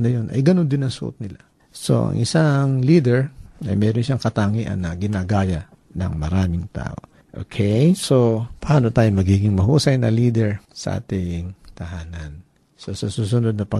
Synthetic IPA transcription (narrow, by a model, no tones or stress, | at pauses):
nɐjonʔɐ̰jɡɐno̞nd̪ɪnɐŋsʊʔo̰t̪̚nɪla | so̞̰ʔɐ̰ŋʔɪ̰saŋliːd̪ɛɹɐ̰jmɛːɾonʃaŋkɐt̪aːŋiʔɐ̰nɐɡɪnaɡaːjɐ | nɐ̰ŋmɐɾaːmɪŋt̪a̰ːʔo̞̰ | ʔo̰kʰɛjsopɐaːno̞t̪aːjomɐɡiːɡɪŋmɐɦuːsɐjnɐliːd̪ɛɹsɐ̰ʔa̰ːt̪ɪŋt̪ɐhaːnɐn | sɐsɐsuːs̬ʊnod̪̚nɐpɐ